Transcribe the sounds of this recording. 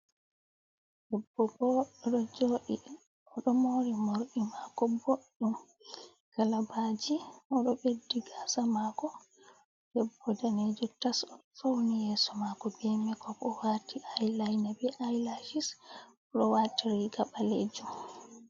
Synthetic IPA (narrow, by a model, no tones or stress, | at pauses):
dɛbːɔbɔɗɔd͡ʒoːɗi | ʔɔɗɔmoːɾimoɾɗimakɔboɗːum | kalabad͡ʒiɔɗɔɓedːiɡasamakɔ | d̥ɛbːɔdaned͡ʒutasɔɗɔfawnijɛːsɔmakɔbɛmɛkɔkɔwaːtiʔajlajnabɛʔajlad͡ʒis | ɗɔwatiɾiɡaɓalḛd͡ʒum